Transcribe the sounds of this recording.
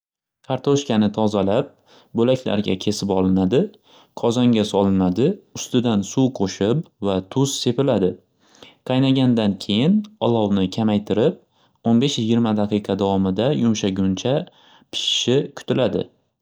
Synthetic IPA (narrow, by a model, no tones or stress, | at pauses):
kʰɑɾt̪ʰoʃkʲanɪt̪ʰɒzalap̚ | bolakʲʰla̰ɾɡʲa̰kʲʰe̞sɪpɒlɪnad̪ɪ | qʰɒzɒŋɡʲasɒlɪnmad̪ɪʊst̪ɪd̪ansuqʰoʃɪpvat̪ʰʊz̥se̞pɪlad̪ɪ | qʰɑjnaɡʲand̪ankʲʰe̞jɪnɒlˠɒwnɪkʲʰamajt̪ʰɪɾɪp̚ | onbe̞ʃjɪɡʲɪɾmad̪aqʰɨjqʰɑd̪awɒmɪd̪ajʊmʃaɡʲʊnt͡ʃʰa | pʰɪ̥ʃɪ̥ʃɪkʰʊ̥t̪ʰɪlad̪ɪ̰